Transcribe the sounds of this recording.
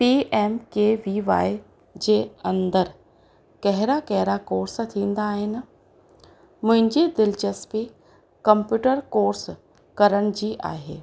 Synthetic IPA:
piːʔeːmkeʋiʋaːɪ | d͡ʑeɐ̃nd̪əɾ | kɐɦɪɾakɛɦɪɾakoːɾst̪ʰĩːnd̪aːɦɪnɪ̆ | mʊ̃ɦɪ̃ɲd͡ʑed̪ɪlt͡ʃəspi | kɐ̃mpjuːʈəɾkoːɾs | kɐɾəɽ̃ɪ̆d͡ʑiːʔa̰ːɦḛː

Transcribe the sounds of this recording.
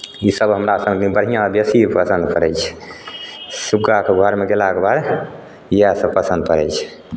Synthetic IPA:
isəbɦəmɾasə̃ŋd̪ibəɽɦijãbjesipəsə̃nd̪pəɾɛjt͡ʃʰ | subɡakeɡʱɔɾmeɡelakebad̪ | jasəpəsə̃nd̪̚pəɾɛjt͡ʃʰ

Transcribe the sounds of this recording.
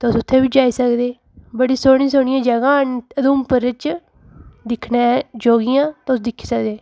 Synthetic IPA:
t̪ʊsʊt̪ʰːeːbɪd͡ʒaːiːsəkd̪eː | bəɽiːsoːɽ̃ĩːs̬oːɳ̃ɪjãːd͡ʒəɡãːnəd̪ũːmpəɾət͡ʃ | d̪ɪkʰnẽːd͡ʒoːɡiːjãːt̪ʊs̬d̪ɪkʰːi̥ːsəkd̪eː

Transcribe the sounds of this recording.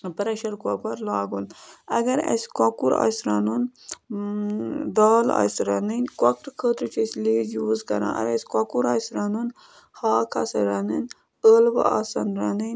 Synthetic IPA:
pɐɾɐʃɐɾkoːpɐɾlaːɡunɐɡɐɾɐ̰skakuɾa̰ːsɾaːnun | d̪aːla̰ːsɾaninkakɾkʰəːt̪ɾut͡ʃʰisliːzjuːzkɐɾã̰ːʔɐ̰eskakuɾaːsɾaːnun | haːkʰaːsɐɾaːnin | əːlʋɐ̰asɐnɾanin

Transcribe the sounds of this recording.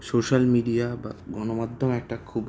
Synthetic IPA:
soʃalmiɖiaba̰ɡɔnomad̪ʱːomɛk̚ʈakʰub

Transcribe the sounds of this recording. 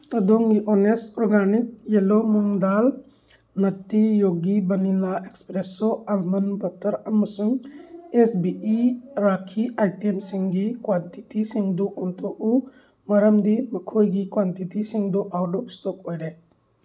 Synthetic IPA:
tɐdɔŋɡiʔɔnestɔɾɡanik̚jelomuŋdal | nɐtːijoɡibɐnilaʔekspɾesɔabmɐnbɐtʰɐɾamɐsuŋesbiiɾakʰiajtemsiŋɡikwanti̥tisiŋduʔɔntʰoʔu | mɐɾɐmdimɐkʰojɡikwantitisiŋduʔawdɔpstɔk̚ojɾe

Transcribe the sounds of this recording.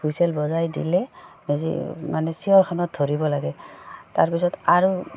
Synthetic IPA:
ujsɛlbɔzajdḭlɛmezḭmanɛsijɔɹkʰanɔt̚dʱoɹibɔlaɡɛtaɹpisɔtaɹu

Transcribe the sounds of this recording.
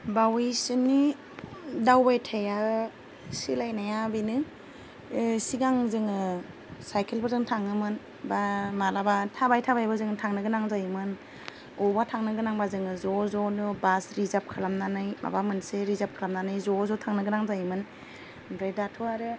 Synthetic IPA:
bawijsɯni | dawbajtʰaja | silajnajabijnɯ | siɡaŋzɯŋɯ | sajkʰelbazɯŋtʰaŋɯmɯn | bamaɾabatʰabajtʰabajbɯzɯŋtʰaŋnɯɡɯnaŋzajmɯn | ɔbatʰaŋnɯɡɯnaŋbazɯŋɯzɔzɔnubasɾizap̚kʰɯlamnanɯjba̰bamɯnseɾizap̚kʰɯlamnanɯjzɔzɔtʰaŋnɯɡɯnaŋzajmɯn | bɾedatʰuaɾɯ

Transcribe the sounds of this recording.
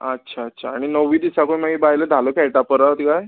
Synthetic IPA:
ətːɕʰaətːɕʰaːɽ̃inəʋiːd̪isakoɳmaɡiːbaɦjləd̪ʱaləkɛɭʈapəɾət̪kaj

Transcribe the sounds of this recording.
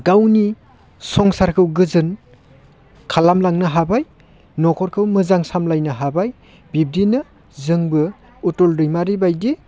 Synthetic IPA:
ɡawni | sɔŋsaɾkʰɯwɡɯzɯn | kʰalamlaŋnɯɦabaj | nɔkʰɔɾkʰɯwmɯzaŋsamlajnɯɦabaj | bib̚dinɯ | zɯŋbɯ | utɔldɯjmaɾibajdi

